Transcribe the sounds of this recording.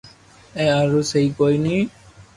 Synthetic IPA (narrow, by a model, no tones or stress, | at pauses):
ɛaɹuseikojni